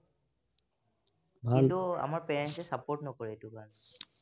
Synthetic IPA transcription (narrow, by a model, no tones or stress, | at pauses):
bʱailtua̰maɹpeɹɛnsɛsapɔɹtnɔkɔɹietukan